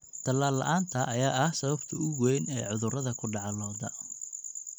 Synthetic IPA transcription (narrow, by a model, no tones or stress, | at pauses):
t̪ʰɐlaːlːɐ̰ʔaːnt̪ʰɐʔɐjaːɐhsɐβɐbt̪ʰɐʊɣwɛjnɛːʕʊðʊrɐðɐkʰʊɖɑʕɑlɔːd̪ɐ